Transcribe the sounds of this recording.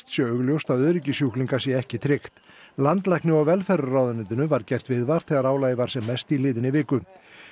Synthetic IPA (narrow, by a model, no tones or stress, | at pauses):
t̪sjɛœːɣljowst̪aðœːðɾɪcɪsjuhkliŋkḁsjɛɛhcɪt̪ʰɾɪxt̪ | lant̪lajhknɪɔwvɛlfɛɾʏrawðʏnɪnt̪ɪnʏvaɾcɛr̥t̪vɪðvaɾ̥θɛːɣaɾaːwlaːjɪvaɾ̥sɛmːɛst̪ilɪːðɪnɪvɪːkʏ